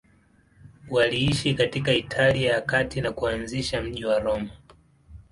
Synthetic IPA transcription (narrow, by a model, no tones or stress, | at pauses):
waliiʃikatikaitʰalijaakatinakuanziʃam̩ʄiwaɾɔma